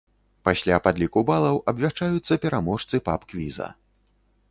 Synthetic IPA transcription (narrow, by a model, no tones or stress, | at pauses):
pasʲlʲapad̪lʲikubalˠɐwʔɐbʲvʲaʂt͡ʂajut̪sːɐpʲɛɾamɔʂt̪sɨpapkvʲizɐ̰